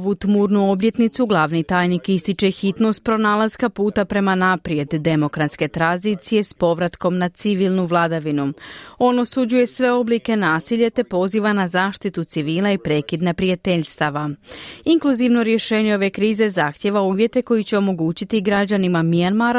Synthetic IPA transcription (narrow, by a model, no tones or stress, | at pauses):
oʋut̪muːɾnuo̞blje̞t̪nit̪suɡlˠaːʋnit̪aːjnikist̪it͡ʃe̞xit̪no̞st̪̚pɾo̞naːlazkapuːt̪apɾe̞manapɾje̞d̪ːe̞mo̞kɾat̪ske̞t̪ɾanzit̪sije̞spo̞ʋɾat̪ko̞mnat̪siʋiːlˠnuʋlˠad̪aʋinuo̞no̞sud͡ʑuje̞sʋe̞o̞blike̞naːsiʎet̪e̞po̞ziːʋanazaːʃt̪it̪ut̪siʋiːlˠaipɾe̞ːkid̪napɾijat̪e̞ʎʲst̪aʋaiŋklˠuziʋno̞ɾje̞ʃe̞ːɲeo̞ʋe̞kɾiːze̞zaxt̪je̞ʋauːʋje̞t̪e̞ko̞jit͡ɕe̞o̞mo̞ɡuːt͡ɕit̪iɡɾad͡ʑanimamijanmaɾ